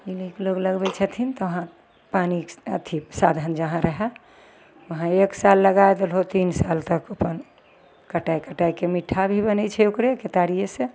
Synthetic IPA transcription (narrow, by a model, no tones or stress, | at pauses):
ilikloɡləɡbɛt͡ʃʰət̪ʰint̪ɔʋəɦã | paniə̰t̪ʰipsad̪ʱənd͡ʒəɦãɾəɦɛ | ʋəɦãeksalːəɡaed̪elɦot̪insalt̪əkəpən | kəʈajkəʈajkemiʈʰabʱibənɛt͡ʃʰɛukɾeket̪aɾijesẽ